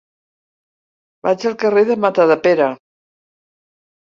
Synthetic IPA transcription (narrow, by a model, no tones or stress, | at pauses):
bat͡ʃəlˠkəreðəmat̪aðəpeɾa